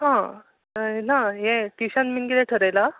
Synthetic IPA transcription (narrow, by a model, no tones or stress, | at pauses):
ɦã | naɦɛ̃ʈiɕãnminkit̪ɛʈʰəɾajla